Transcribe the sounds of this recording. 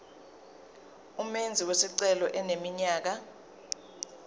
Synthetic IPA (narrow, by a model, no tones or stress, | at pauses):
umend͡zʱiwesiǀɛlɔʔɛnemiɲaːk̬a